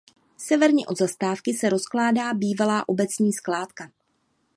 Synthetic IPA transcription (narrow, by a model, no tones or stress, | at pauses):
sɛvɛɾɲɛʔo̞d̪zast̪aːfkɪsɛɾo̞sklaːdaːbiːvalaːʔo̞bɛt͡sɲiːsklaːt̪ka